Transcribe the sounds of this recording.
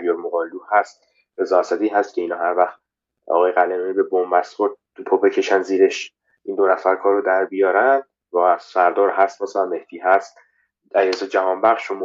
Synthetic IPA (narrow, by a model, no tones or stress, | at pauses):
bjoɾmoɣɒːluhæst̪̚ | ɾe̞zɒːæsæd̪iːɦæst̪̚cʲʰe̞iːnɒːɦæɾvæxt̪ | ɒ̰ːɣɒːjeɣælemeibe̞bombæst̪χoɾt̪ʰːupʰobe̞cʰe̞ʃænziːɾe̞ʃ | ʔind̪o̞næfæɾkʰɒːɾod̪æɾbijɒːɾænd̪̚ | vɒæsæɾd̪ɒːɾɦæst̪mæsænme̞hd̪iːɦæst̪ | æɾiesɒd͡ʒæhɒːnbæχʃom